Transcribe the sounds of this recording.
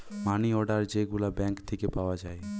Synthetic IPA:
maniɔɖaɾd͡ʒeɡulabɛ̃ŋkt̪ʰekepaoad͡ʒae

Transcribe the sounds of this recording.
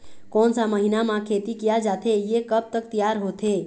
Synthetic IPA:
koːnsaməɦinamãkʰeːt̪ikijad͡ʒaːt̪ejekəb̚t̪ək̚t̪ijaːɾɦoːt̪ʰe

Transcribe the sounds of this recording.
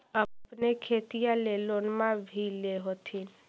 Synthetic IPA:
əpnekʰet̪ijalelonmãbʱileɦot̪ʰi

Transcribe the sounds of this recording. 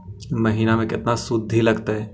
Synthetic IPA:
mɐɦiːnamẽkɪt̪nasʊd̪ʱːilɐɡt̪aɦɛː

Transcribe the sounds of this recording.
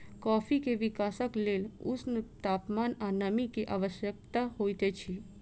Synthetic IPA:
kɔːpʰikeʋɪkaːsəkleːlʊ̰snt̪aːpmaːnanəmikeʔaːʋəʃjək̚t̪ahoːjt̪et͡ʃʰi

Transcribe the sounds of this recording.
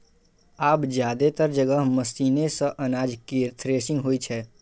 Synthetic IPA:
aːpd͡ʒjaːd̪et̪əɾd͡ʒəɡəɦmɐsiːnesəʔɐnaːd͡ʒkiɾt̪ʰɾeːsɪ̃ŋɡɦoːit͡ʃʰɛː

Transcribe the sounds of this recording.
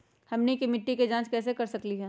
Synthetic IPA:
hɐmnekimɪʈːiked͡ʒãːt͡ʃkɛːsekɐɾsɐkliɦɛː

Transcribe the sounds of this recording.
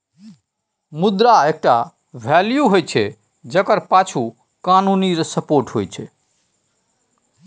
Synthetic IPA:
mud̪ɾaek̚ʈa | bʱɛljuɦojt͡ʃʰɛ | d͡ʒəkəɾpat͡ʃʰu | kanuniɾsəpoɾʈɦojt͡ʃʰɛ

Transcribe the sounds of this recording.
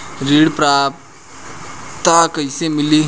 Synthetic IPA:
ɾiːɽpɾaːp | t̪akɐɪsemɪli

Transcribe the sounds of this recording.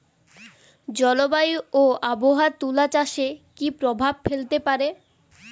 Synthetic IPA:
d͡ʑɔlobajoaboɦaɾt̪ulat͡ɕaʃekipɾobʱab̚felt̪epaɾe

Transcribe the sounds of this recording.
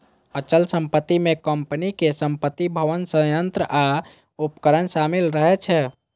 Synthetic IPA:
ət͡ʃəlsəmpət̪ːimekəmpənikesəmpət̪ːibʱəʋənsəjənt̪ɾəʔa | upkəɾənsamilɾəɦɛt͡ʃʰɛ

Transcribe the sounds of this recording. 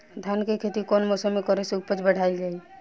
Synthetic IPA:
d̪ʱjankekʰet̪ikonmɔsəmːekɔɾeseupət͡ʃbəɽ̤aild͡ʒaːi

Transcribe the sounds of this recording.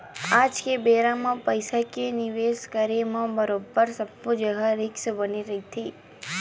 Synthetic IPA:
ad͡ʒkebeɾamãpəjsakeniʋeskəɾemãbəɾobːəɾsəbːud͡ʒəɡaɾɪksbəniɾəɦit̪ʰi

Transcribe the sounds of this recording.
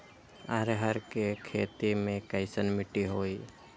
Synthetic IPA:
aɾɦəɾkekʰeːt̪imẽkəɪsənmɪʈiɦoːiː

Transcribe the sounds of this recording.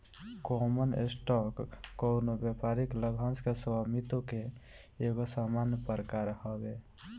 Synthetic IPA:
kɔmənḛsʈɔkːoʊnobjepaɾikləbʱãnskesamit̪okeː | ɡosamanpəɾkaɾhəbe

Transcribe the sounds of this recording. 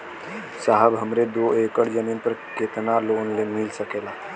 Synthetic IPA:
saɦəbɦəmɾed̪oekəɽd͡ʒəninpəɾket̪nalonlemilsəkela

